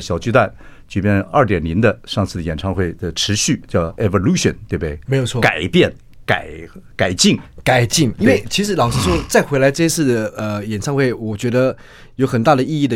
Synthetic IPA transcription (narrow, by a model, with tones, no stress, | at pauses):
ɕjɑ˨˩ʊt͡ɕy˥˧t̪wa˥˩nt͡ɕy˨˧˩pjɛ˥˧nɐ˞˥˩t̪jɛ˨˩nli˧˥nd̪ə˧ʂɑ˥˧ŋt͡sʰɹ̩˥˩d̪ə˩jɛ˨˩nʈ͡ʂʰɑ˥˧ŋxwe˥˩ɪd̪ə˩ʈ͡ʂʰɻ̩˧˥ɕy˥˧t͡ɕjɑ˥˩ʊɛ˧˩vo˥˧lu˥ɕə̰˨˩nt̪we˥˧ɪbd̪e˥˩ɪme˧ɪjo˨˩t͡sʰɔ˥˧ka˨˩ɪpjɛ˥˩n | ka˨˩˦ɪka˨˩ɪt͡ɕi˥˩ŋka˨˩ɪt͡ɕi˥˩ŋi˥n˥we˥˩ɪt͡ɕʰi˧˥ʂɻ̩˧˥lɑ˨˩ŋʂ̩˥˧ʂwo˥t͡sa˥˩ɪxwe˧˥ɪla˧˥ɪʈ͡ʂɤ˥˧ɕɛ˥t͡ssʰɹ̩˥˩d̪ə˩ə˧jɛ˨˩nʈ͡ʂʰɑ˥˧ŋxwe˥˩ɪwɔ˨˩t͡ɕɥɛ˧˥d̪ə˧ | jo˧˥ʊxə˨˩nt̪a˥˩d̪ə˩i˥˧i˥˩d̪ə˩